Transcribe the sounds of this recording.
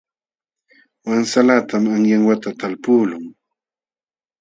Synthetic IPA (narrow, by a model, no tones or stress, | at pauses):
wansalat̪ʰamaŋjaŋwat̪at̪alpuːlʊŋ